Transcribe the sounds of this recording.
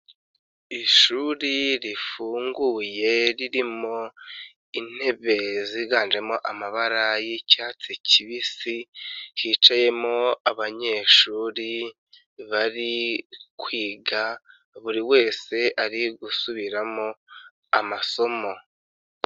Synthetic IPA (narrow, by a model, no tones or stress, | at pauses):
iʃuɾiɾifuːŋɡuje̞ɾiɾimo̞ | in̥he̞βe̞ziɡaːnd͡ʒe̞mo̞ʔamaβaɾajicaːt͡siciβisihiːt͡ʃaje̞mo̞aβaɲe̞ːʃuːɾi | βaɾikwiːɡa | βuɾiwe̞ːse̞aɾiɡusuβiɾamo̞ | amaso̞mo̞